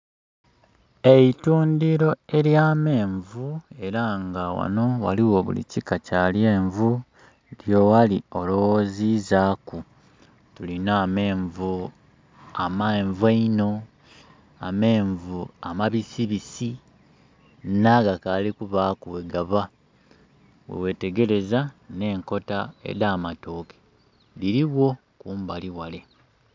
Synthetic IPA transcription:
e̞ituːndiɾo̞e̞ljaːme̞ːɱvue̞ɾaŋɡawa̰no̞wa̰liwo̞βṵlḭcikacalje̞ːɱvu | ljo̞walio̞lowozizaːku | tulinaːme̞ːɱvu | amaeɱvwaino̞ | ame̞ːɱvuamaβisiβisi | naɡakalikuβaːkuweɡaβa | wḛwe̞te̞ɡe̞ɾe̞zane̞ːŋko̞tae̞̰ɾaːmato̞ːke̥ | liɾiβwo̞ | kuːmbaliwale

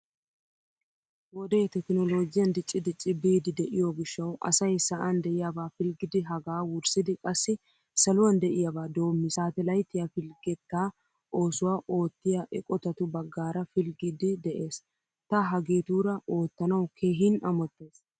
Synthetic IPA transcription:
wɔd̪ɛjt̪ɛkɪnɔlo̞ːɡɪjɐnd̪ɪt͡ʃʼːɪd̪ɪt͡ʃʼːɪbiːd̪ɪd̪ɛʔɪjoɡɪʃːɐwʔɐ̰sɐjsɐʔɐnd̪ɛʔɪjabaːfɪlɡɪd̪ɪɦɐɡaːwʊɾsɪd̪ɪkʼɐsːɪ | sɐlʊwɐnd̪ɛʔɪjabaːd̪o̞ːmːɪsaːt̪ɛlɐjt̪ːɪjafɪlɡɛt̪ːaː | ʔo̞ːsʊwaːʔo̞ːt̪ːɪjaʔɛkʼɔt̪ɐt̪ʊbɐɡːaːɾɐfɪlɡɪd̪ɪd̪ɛʔeːs | t̪ɐɦɐɡeːt̪uːɾɐo̞ːt̪ːɐnɐwkʰe̞ːɦɪnɐmɔt̪ːe̞ːs

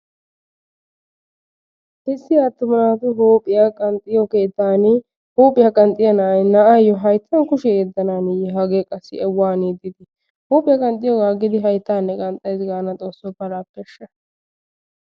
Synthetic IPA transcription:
ʔɛsːɪaːt̪ːʊmɐnaːt̪ʊɦoːpʼɪjakʼɐnt̪ʼːɪjɔke̞ːt̪ːaːn | hoːpʼːɪjɐkʼɐnt̪ʼɪjɐnɐʔɐjnɐʔɐjɔɦɐjt̪ʰːɐnkʊʃɛjɛd̪ːɐnaːnɪjɛɦɐɡeːkʼɐsːɪɛwːaːniːd̪ɪd̪ɪ | hoːpʼːɪjɐkʼɐnt̪ʼːɪjɔɡaːɡɪd̪ɪɦɐjt̪ːaːnːɛkʼɐnt̪ʼːɐjzɪɡaːnɐt͡s̪ʼo̞ːsːɔpɐlaːkːɛʃːɐ

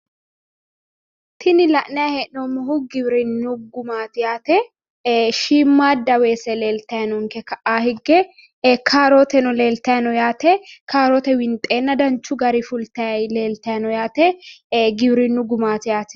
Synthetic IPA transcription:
t̪ʰɪnɪlɐʔnɐjɐhɛʔnomːɔɦʊɡɪbɾɪnːʊɡʊmaːt̪ɪjaːt̪ɛ | ʃiːmːaːd̪ɐweːsɛle̞ːlt̪ɐjɐnʊŋkɛkɐʔaːhɪɡːɛ | kʰaːɾɔt̪ɛnʊle̞ːlt̪ɐjɐnɔjaːt̪ɛkʰaːɾɔt̪ɛwɪnt̪ʼe̞ːnːɐd̪ɐnt͡ʃːʊɡɐɾɪfʊlt̪ɐjɐleːlt̪ɐjɐnɔjaːt̪ɛɡɪbɾɪnːʊɡʊmaːt̪ɪjaːt̪ɛ̥

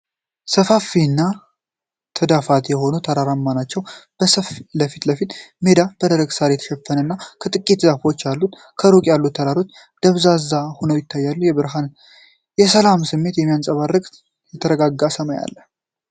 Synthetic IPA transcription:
səfafinːa | t̪ʰəd̪afat̪jɛho̞nut̪ʰəɾaɾamːanat͡ʃːɛwb̥əsəfləfit̪ləfit̪me̞d̪ab̥əd̪əɾəɡsaɾjɛt̪ʰə̥ʃɛfənɨnːakʰət̪ʼɨkʼːit̪zafo̞t͡ʃːjalːut̪ | kʰəɾokʼjalːut̪ʰːəɾaɾot͡ʃ̪ | d̪̥əβzazahonəwjɪt̪ʰːajːalːujɛβɨɾɦann | jɛsəlamsɨmːe̞t̪jɛmːijansʼəβarːɨkʼ | jɛt̪ʰəɾəɡaɡːasəmaja̰lːə

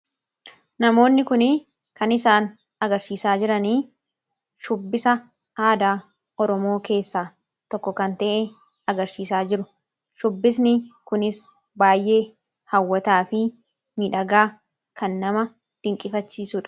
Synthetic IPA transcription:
nɐmo̞ːnːɪkʊnɪ | kɐnɪsaːn | ɐɡɐɾsiːsaːd͡ʒɪɾɐniː | ʃʊbːɪsɐ | aːd̪aː | ɔɾɔmo̞ːke̞ːsːaː | t̪ɔkːɔkɐnt̪ɐʔe | ɐɡɐɾsiːsaːd͡ʒɪɾʊ | ʃʊbːɪsnɪkʊnɪs | baːjʔe̞ː | hɐwːɐt̪aːfɪ | mɪᶑɐɡaː | kʰɐnːɐmɐ | d̪̥ɪŋkʼɪfɐt͡ʃːiːsʊᶑɐ̥

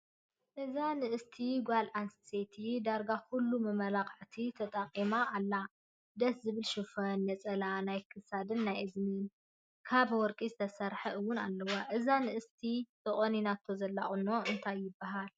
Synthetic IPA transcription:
ʔɨzanɨʔɨst̪ʰiɡʷalʔansset̪ʰid̪aɾɡakulːumɨmɐlakʼʕt̪ʰit̪ʰɐt̪ʼɐkʼimaːlːa | d̪ɐszɨβɨlʃufɐnːɐt͡sʼɐlanajkʰɨsad̪ɨnːajɨzmin | kʰaβwɔɾkʼizɨt̪ʰɐsɐɾħɐʔɨwːʊnalːɐwaʔɨzanɨʔɨst̪ʰit̪ʼɨχʼoninat̪ʰːozɐlːa̰χʼɨnːo̞ɨnt̪ʰajːɪbːaɦal

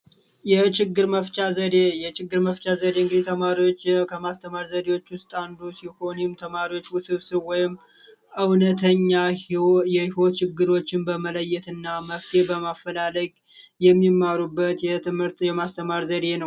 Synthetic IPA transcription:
jɛt͡ʃɪɡːɨɾməft͡ʃʼazəd̪ejɛt͡ʃɪɡːɨɾməft͡ʃʼazəd̪eɨŋɡid̪it̪ʰəmaɾiwo̞t͡ʃːkʰəmast̪ʰəmaɾzəd̪ewo̞t͡ʃːwʊst̪ʼand̪usiho̞nɪmt̪ʰəmaɾiwo̞t͡ʃːwsɨβsɨβwɔjɪm | ʔɨwnət̪ʰəɲːajɛhiwo̞t̪t͡ʃɪɡːɨɾo̞t͡ʃːɪnbəmələjːɛt̪ɨnːaməft̪ʰebəmafːəlaləɡʼ | jɛmːimːaɾubːət̪jɛt̪ʰɨmhɨɾt̪jɛmast̪ʰəmaɾzəd̪e̞nəw

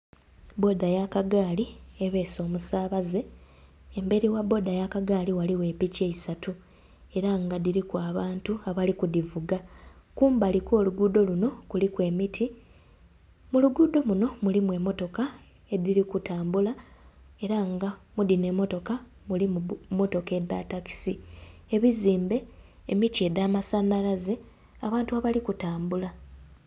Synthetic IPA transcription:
bo̞dajakaɡaːlieβe̞ːso̞ːmusaːβaze̞ | embe̞ɾiwabo̞dajakaɡaːliwaliwe̞ːpice̞isatu | e̞ɾaŋɡadiɾikwaːβaːntuaβalikudivuɡakuːmbaliko̞ːluɡuːdo̞luno̞kulikwe̞ːmitʰi | muluɡuːdo̞muno̞mulimwe̞mo̞to̞ka | e̞diɾikutaːmbula | e̞ɾaŋɡamudine̞ːmo̞to̞ka | mulimmo̞to̞ke̞da̰taki̥sie̞βiziːmbe̞ː | mitie̞daːmasanːalaze̞ | aβaːntuaβalikutaːmbula

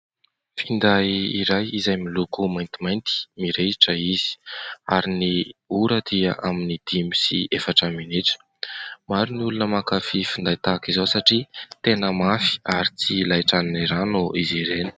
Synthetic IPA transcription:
find̪aiɾajizajmilukumajnt̪imajnt̪i̥miɾeiʈ͡ʂəiz̥i̥a̰ɾiniuɾəd̪̥iəʔaminid̪̥imi̥sḭefaʈ͡ʂaminiʈ͡ʂə̥ | maɾuniulunəmakafifund̪ajt̪akizowsaʈ͡ʂit̪enəmafi̥aɾit͡silajʈ͡ʂaniniɾanuʔiziɾeni̥

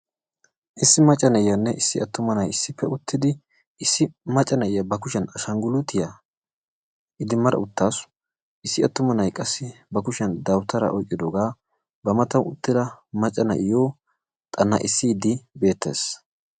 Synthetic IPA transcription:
ʔɪsːɪmɐt͡ʃʼːɐnɐɪjɐnːɛʔɪsːɪɐt̪ːʊmɐnɐjɪsːɪpːɛʊt̪ːɪd̪ɪ | ɪsːɪmɐt͡ʃʼːɐnɐɪjɐbɐkʊʃɛnɐʃɐŋɡʊlʊt̪ɪjɐ | ʔɪd̪ɪmɐɾɐ̰ʊt̪ːaːs | ʔɪsːɪɐt̪ːʊmɐnɐjkʼɐsːɪbɐkʊʃɛnd̪ɐwt̪ɐɾɐ̰ʔɔjkʼːɪd̪oːɡaː | bɐmɐt̪ɐwʊt̪ːɪd̪ɐmɐt͡ʃʼːɐnɐ̰ʔɪjoː | t̪ʼɐnːɐ̰ʔɪsːɪd̪ɪbe̞ːt̪ːe̞̰ːs

